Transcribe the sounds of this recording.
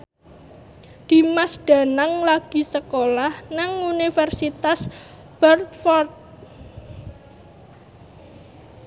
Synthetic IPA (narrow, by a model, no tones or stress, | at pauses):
d̪̥i̤masɖ̥a̤naŋlaɡ̥i̤səkolahnaŋunifɛrsit̪as | b̥ərt̪fɔrt̪̚